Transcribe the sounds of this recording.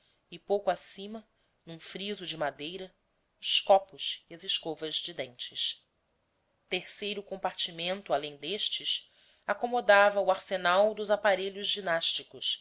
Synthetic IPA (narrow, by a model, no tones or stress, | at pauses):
ɪpowkʊasĩmɐ | nũfɾizʊd͡ʒɪmad̪ejɾɐ | ʊskɔpʊsiɐzɪʃkovɐzd͡ʒid̪ẽnt͡ʃɪs | t̪eɾsejɾʊkõpaɾt͡ʃimẽnt̪ʊalẽj̃d̪eʃt͡ʃɪs | akomod̪avɐuaɾsenawd̪ʊzapaɾeʎʊzd͡ʒinaʃt͡ʃikʊs